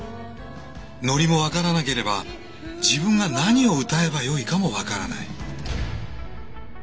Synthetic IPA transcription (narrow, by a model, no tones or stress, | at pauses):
no̞ɾʲimo̞βakaɾanake̞ɾe̞ba | d͡ʑibɯ̟̃ŋɡanaɲ̟io̞ɯ̟t̪ae̞bajo̞ikamo̞βakaɾa̰na̰i